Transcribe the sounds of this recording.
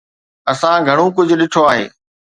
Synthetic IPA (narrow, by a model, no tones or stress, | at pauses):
ɐsãɡʱɐɽ̃õkʊd͡ʑʱʊ̆ɗɪʈʰoaːɦḛː